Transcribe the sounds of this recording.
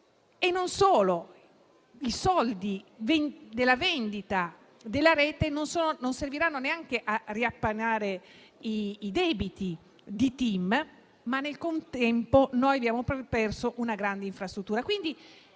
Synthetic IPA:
enːonsoːlo | isɔld̪ivnd̪elːavɛnd̪it̪a | d̪elːaɾɛːt̪enonsoːnononserviɾanːoneaŋk̟eʔariapːanaːɾe | iːd̪ɛːbit̪i | d̪it̪im | manːelkont̪ɛmponojabjaːmopɔpɛrsoʔunaɡɾand̪eiɱfɾast̪ɾut̪ːuːɾakwind̪i

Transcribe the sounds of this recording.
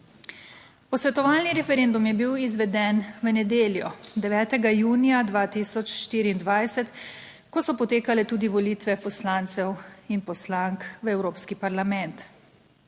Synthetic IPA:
pɔsʋɛt̪ɔʋaːlniɾɛfɛɾend̪umjɛbiwizʋɛd̪ɛnʋənɛd̪eːljɔd̪ɛʋɛːt̪ɛɡajuːnijad̪ʋaːt̪isɔt͡ʃʃt̪iːɾiːnd̪ʋajsɛt̪ | kɔsɔpɔt̪eːkalɛt̪uːd̪iʋɔliːt̪ʋɛpɔslaːnt̪sɛwinpɔslaŋkʋəɛwɾoːpskipaɾlamɛnt̪

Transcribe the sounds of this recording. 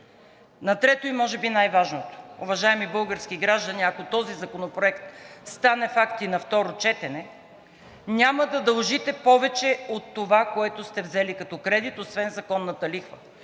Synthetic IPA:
nɐt̪ɾɛt̪oimɔʒɛbinajvaʒnot̪o̥uvɐʒaɛmibɤlˠɡəɾskiɡɾaʒd̪ɐniɐkot̪ɔzizɐkonopɾoɛkt̪st̪anɛfakt̪inɐft̪ɔɾot͡ʃɛt̪ɛnɛ | nʲaməd̪ɐd̪ɐlˠʒit̪ɛpɔvɛt͡ʃɛot̪ːovakoɛt̪ʊst̪ɛvzɛlikɐt̪ɔkɾɛd̪it̪osvɛnzɐkɔnːɐt̪ɐlixvə̰

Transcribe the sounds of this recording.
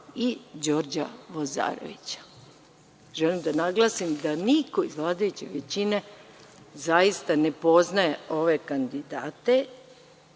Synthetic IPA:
id͡ʑo̞ɾd͡ʑa̰ʋoza̰ːɾo̰ʋit͡ɕḁ | ʒelimd̪anaɡlˠaːsimd̪anikoizʋlˠaːd̪ajut͡ɕeʋet͡ɕine̞ | zajist̪ane̞po̞znajeo̞ʋe̞kand̪id̪aːt̪e̞

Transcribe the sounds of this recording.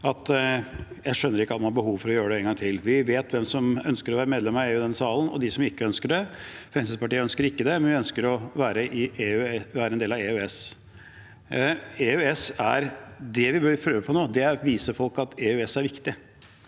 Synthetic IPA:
ɑt̪ | jæɪʂœnːəɾɪkːəɑt̪mɑnhɑbəɦuːʋfɔɾɔjøːɾəɖ̪ɛɛːŋɡɑŋt̪ʰɪlʋɪʋeːt̪ʋɛmsɔmœnskəɾɔʋæːɾəmeːd̪lɛmɑeːʉːd̪ɛnsɑːlənɔ̰d̪ɪsɔmɪkːəœnskəɖɛfɾɛnsɪspɑʈiːəœnskəɾɪkːəd̪ɛmɛnʋɪœnskəɾɔʋæːɾəʔɪʔeːʉɛʋæːɾəɛnd̪eːlɑeːʉɛs | eːʉɛsæɾd̪ɛʋɪbøɾpʰɾøːʋəpʰɔnoːd̪ɛæɾʋiːsəfɔlkɑt̪eːʉɛsæɾʋɪkt̪ɪ

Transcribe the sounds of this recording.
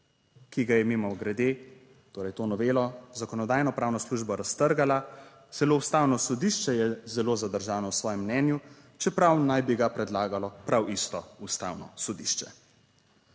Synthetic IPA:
kiɡajɛmimɔwɡɾɛd̪eː | t̪oːɾɛjt̪oːnɔʋeːlɔzakɔnɔd̪aːjnɔpɾaːwnɔsluʒbɔɾast̪əɾɡala | t̪sɛloːust̪aːwnɔsɔd̪iʃt͡ʃɛjɛzɛloːzad̪əɾʒaːnɔwsʋɔːjɛmːnɛːnju | t͡ʃɛpɾawnajbiɡapɾɛd̪laːɡalɔpɾawist̪ɔust̪a̰ːwnɔ̰sod̪iʃt͡ʃɛ

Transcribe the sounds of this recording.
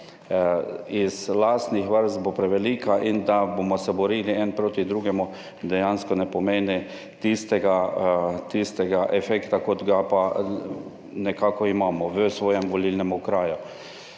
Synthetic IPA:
izlaːst̪nixʋəɾst̪bopɾɛʋɛliːkaʔind̪abomɔsɛbɔɾiːliɛnpɾoːt̪id̪ɾuːɡɛmu | d̪ɛjanskɔnɛpɔmeːnɛ | t̪ist̪ɛɡat̪ist̪ɛɡaʔɛfɛkt̪akot̪ɡapa | nɛkaːkɔimaːmɔʋəsʋoːjɛmʋɔlilnɛmukɾaːjʊ

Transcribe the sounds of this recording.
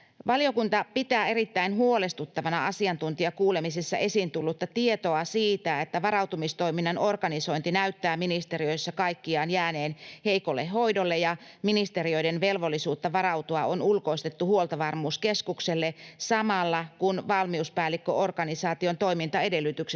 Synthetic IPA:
ʋɑliokunt̪ɑpit̪æːe̞rit̪ːæinɦuolest̪ut̪ːɑʋɑnɑɑsiɑnt̪unt̪iɑkuːle̞misesːɑ̰ʔe̞sint̪ulːut̪ːɑt̪iet̪o̞ɑsiːt̪æet̪ːæʋɑɾɑwt̪umist̪o̞iminːɑno̞rɡɑniso̞int̪inæyt̪ːæːminist̪erio̞isːɑkɑikːiɑːnjæːne̞ːnhe̞ikolːeɦo̞idolːejɑminist̪erio̞jdenʋe̞lʋolːisuːt̪ːɑʋɑɾɑuwt̪uɑonulko̞ist̪et̪ːuhuolt̪ɑʋɑrmuːskeskukselːesɑmɑlːɑkunʋɑlmiuspæːlːikːøʔorɡɑnisɑːt̪iont̪o̞imint̪ɑe̞de̞lːˑyt̪yks

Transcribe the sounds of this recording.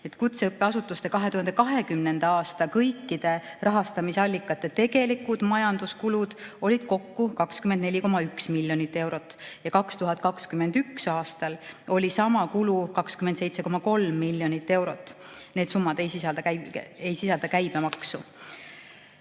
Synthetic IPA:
e̞t̪kut̪seɤpːe̞ɑsut̪ːˑust̪e̞kɑɦe̞t̪uhɑnd̪e̞kɑɦe̞kymne̞nd̪̥ɑɑːst̪ɑkɤjkːid̪̥e̞rɑɦɑst̪ɑmisɑlʲːikːˑɑt̪ːˑe̞t̪e̞ɡ̥e̞likud̪̥mɑjɑnd̪̥uskulud̪̥o̞lʲid̪̥ko̞kːukɑkskymend̪ne̞lʲiko̞mɑyksmilʲːjo̞nit̪ːe̞wɾo̞t̪ːˑjɑkɑkst̪uɦɑt̪̚ːˑkɑkskyme̞nd̪̥yksɑːst̪ɑlo̞lʲisɑmɑkulukɑkskyment̪se̞jt̪se̞ko̞mɑko̞lmːilʲːjo̞nit̪ːe̞wɾo̞t̪ːˑ | neːd̪sumːɑd̪e̞jsisɑld̪ɑkæe̞jsisɑld̪ɑkæjb̥emɑksu

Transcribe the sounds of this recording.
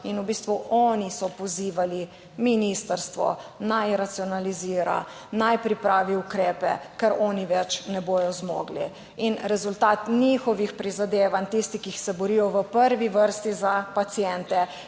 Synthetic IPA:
inubiːst̪ʋuʔɔnisɔpɔziːʋali | minist̪əɾst̪ʋɔ̰najɾat̪siɔnaliziːɾa̰ | najpɾipɾaːʋiukɾɛːpɛ̰kɛɾɔːniʋɛt͡ʃnɛboːjɔzmɔ̰ɡlḭ | inɾɛzult̪aːt̪nixɔʋixpɾizad̪eːʋant̪ist̪ikixsɛbɔɾiːjɔʋəpəɾʋiʋəɾst̪izapat̪sijɛnt̪ɛ

